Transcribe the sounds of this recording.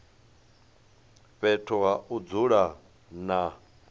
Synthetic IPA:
ɸɛtʰɔɦaʔud͡zuɺa | na

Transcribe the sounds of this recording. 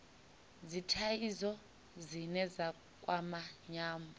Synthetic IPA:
zitʰajizɔ | zinɛza | kʼwamaɲaːmbɔ

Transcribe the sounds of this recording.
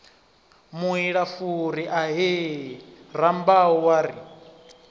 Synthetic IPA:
muɦiɺafuɾiʔaɦe | rambauwaːɾi

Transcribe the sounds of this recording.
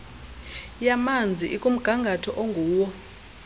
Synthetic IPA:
jamand͡zʱiʔikʼum̩ɡ̥ʱaŋɡʱatʰɔʔoŋɡʱuːwɔ

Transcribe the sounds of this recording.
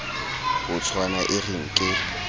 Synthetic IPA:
hʊt͡sʰwanaʔɪrɪŋ̩kʼɪ

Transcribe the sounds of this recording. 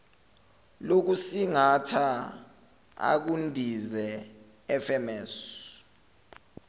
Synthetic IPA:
lok̬usiŋatʰa | a̰k̬undʱizɛ | ɛfɛmɛːsɔ

